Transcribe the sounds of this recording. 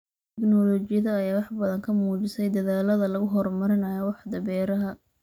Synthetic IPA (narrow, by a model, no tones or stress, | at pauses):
t̪ʰɛknɔlɔt͡ʃɪjɐðɐːjaːwɑħbɐðɐŋkʰɐmuːt͡ʃɪsɛjd̪ɐðaːlɐðɐlɐɣʊɦɔrmɐɾɪnɐjɔwɑħd̪ɐbɛːɾɐɦɐ